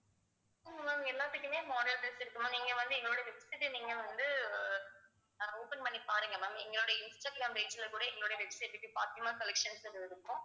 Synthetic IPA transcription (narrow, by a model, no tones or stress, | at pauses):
ɪŋɡɐmaːmɛlːaːt̪ːɯkːɯmeːmoːɽɐlʈɐsɪɾɯkːɯmõniːŋɡɐʋɐnd̪ɯɛŋɡɐɭoːɽɐʋɛksɪʈːɯniːŋɡɐʋɐnd̪ɯ | oːpɛnpɐɳːipaːɾɯŋɡɐnaːmɛ̰ŋɡɐɭoːɽɐɪnsʈɐːʈlaːmɾeːt͡ʃɪlɐkuːɽɐɛŋɡɐɭoːɽɐʋɛksɪʈːɪʈːipaːɾt̪ɯɐmaːkɐlɛkʂɐnsɯɾɯɾɯkːmõ